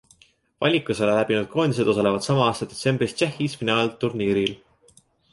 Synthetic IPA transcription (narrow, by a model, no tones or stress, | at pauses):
vɑ̰lʲikˑusolelæb̥inud̪̥̚kʰo̞ːnʲis̬ed̪o̞sɑle̞vɑd̪̥sɑmɑɑːst̪ɑd̪̥e̞t̪se̞mbrist̪t͡ʃehːisfinɑːlt̪urniːɾil